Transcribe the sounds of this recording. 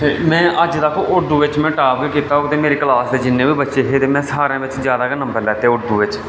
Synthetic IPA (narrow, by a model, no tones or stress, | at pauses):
mɛ̃ːʔəd͡ʒd̪aːkʰoʔʊɽd̪uːʋɪt͡ʃmɛ̃ːʈaːpɡikiːt̪aːɦoːɡt̪eːmeːɾeːkəlaːsd̪eːd͡ʒɪnːẽːʋiːbətːʃeːɦeːt̪eːmɛ̃ːsaːɾãːʋɪt͡ʃzjaːd̪aːkənəmbəɾlɛːt̪eaːʊɽd̪uːʋɪt͡ʃ